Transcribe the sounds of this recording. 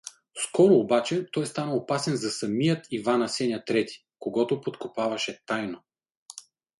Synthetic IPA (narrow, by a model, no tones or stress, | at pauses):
skɔɾoːbat͡ʃɛt̪ɔjst̪anəopasɛnzɐsɐmijət̪ʰivanɐsɛnʲɐt̪ɾɛt̪i̥ | koɡɔt̪ʊpot̪kopavɐʃɛt̪ajno